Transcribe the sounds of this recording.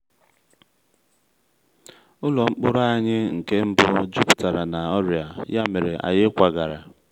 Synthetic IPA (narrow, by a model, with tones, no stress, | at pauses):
ʊ˦lɔ˨ŋ͡m̩˦k͡pʊ˦ɾa˦a˦ɲɪ˦ŋ̩˨ke˦m̩˦bʊ˦d͡ʒu˦pta˨ɾa˨na˨ɔ˦ɾja˨ja˦me˨ɾe˨ʔa̰˨jɪ˦kʷa˨ɡa˨ɾa̰˨